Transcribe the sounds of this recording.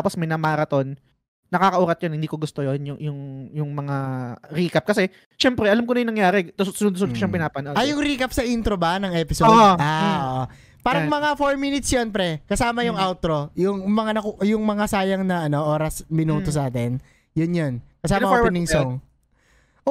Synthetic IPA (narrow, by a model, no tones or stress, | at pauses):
aposmɐjnɐmaːɾɐt̪o̞nː | ɐkakɐʔuːɾɐt̪jonhɪnd̪iːkoɡʊst̪ojonjʊŋjʊŋjʊŋmɐŋaɾiːkɐp̚kɐsɛ | ʃɛmpɾɛʔɐlamkonɐjʊŋnɐŋjaːɾɛt̪sʊnʊd̪ʊsod̪oʃɐmpɪnaːpɐnɐʔoʔɐjʊŋɾiːkɐp̚sɐʔint̪ɾobanɐŋʔɛːpɪsodʔaːʔoːʔo | paːɾɐŋmɐŋafoɹminɪt̪̚sʃɛmpɾɛkɐsaːmɐjʊŋʔawt̪ɾo̞jʊŋmɐŋanɐkujʊŋmɐŋasaːjɐŋnɐʔɐno̞ʔo̞ːɾɐsmɪnuːt̪osɐʔaːt̪ɪn | jʊnjonkɐsaːmmɐpɛnɪŋsoŋ